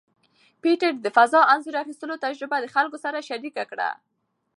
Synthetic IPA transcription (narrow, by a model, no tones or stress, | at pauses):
piʈəɾd̪əfazɑanzuɾaxist̪əlot̪ad͡ʒɾɪbad̪əxalkosaɾaʃaɾikakɽa̰